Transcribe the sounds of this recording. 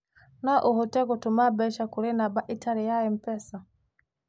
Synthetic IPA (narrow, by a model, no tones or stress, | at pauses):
naʔuɦɔtɛɡɔtumabɛʃakulɛnabaʔitaɾɛjaɛm̩pɛsa